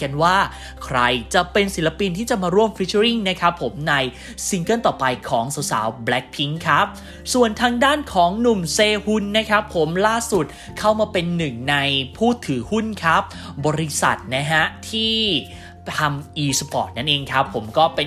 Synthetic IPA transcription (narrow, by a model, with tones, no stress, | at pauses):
ka˧nwaː˥˩ | kʰɾa˧jt͡ɕa˨˩pe˧nsi˩˦la˧pi˧nt̪ʰiː˥˩t͡ɕa˨˩maː˧ɾu˥˩əmfʰi˦˥t͡ɕʰːɾi˥˩ŋna˦˥kʰa˦˥pʰːo˩˦mna˧j | si˧ŋkɤ˥˩nt̪ɔː˨˩pa˧jkʰɔː˩˦ŋsa˩˦wsa̰ː˩˦wblɛ˦˥k̚pʰi˦˥ŋkʰa˦˥p̚ | su˨˩ənt̪ʰaː˧ŋdaː˥˩nkʰɔː˩˦ŋnu˨˩mseː˧hu˧nːa˦˥kʰa˦˥pʰːo˩˦mlaː˥˩su˨˩t̪̚ | kʰa˥˩wmaː˧pe˧nːɯ˨˩ŋna˧jpʰuː˥˩t̪ʰɯː˩˦hu˥˩nkʰa˦˥p̚bɔː˧ɾi˦˥sa̰˨˩t̪̚na˦˥ɦa˦˥t̪ʰiː˥˩ | t̪ʰa˧mʔiː˧spɔ̰ː˨˩t̪̚na˥˩nʔeː˧ŋkʰa˦˥pʰːo˩˦mkɔː˥˩pe˧